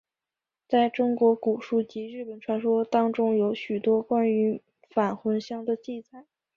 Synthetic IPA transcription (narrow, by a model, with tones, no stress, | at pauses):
t͡sa˥˩ɪʈ͡ʂʊ˥ŋkwɔ˧˥ku˨˩ʂu˥˩t͡ɕi˧˥ɻɻ̩˥˩pə˨˩nʈ͡ʂʰwa˧˥nʂwɔ˥t̪ɑ˥ŋʈ͡ʂʊ˥ŋjo˧˥ʊɕy˨˩t̪wɔ˥kwa˥ny˧˥ | fa˨˩nxwə˧˥nɕjɑ˥˩ŋd̪ə˨t͡ɕi˥˩t͡sa˨˩˦